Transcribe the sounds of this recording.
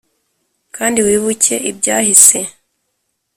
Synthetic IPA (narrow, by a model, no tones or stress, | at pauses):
kʰaːndiwiːβuce̞ʔibɟaːhise̞